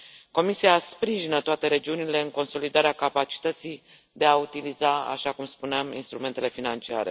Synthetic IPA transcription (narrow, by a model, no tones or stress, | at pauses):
ko̞misiaspɾiʒinət̪oat̪e̞ɾe̞d͡ʒiunile̞ɨŋko̞nso̞lid̪aɾeakapat͡ʃi̥t̪ət̪sij | d̪e̞aut̪ilizaa̰ʃakumspuneamḭnst̪ɾume̞nt̪e̞le̞finant͡ʃia̰ɾḛ